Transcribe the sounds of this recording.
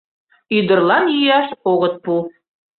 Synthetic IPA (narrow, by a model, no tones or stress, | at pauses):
yd̪ə̆rlˠɑnjyjɑʃoɣə̆t̪̚pu